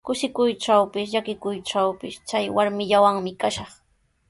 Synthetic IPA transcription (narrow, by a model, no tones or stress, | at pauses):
kʊʃɪkʊjʈ͡ʂawpɪsʎakɪkʊjʈ͡ʂawpɪst͡ʃajwaɾmɪʎawaŋmɪkaʃɑχ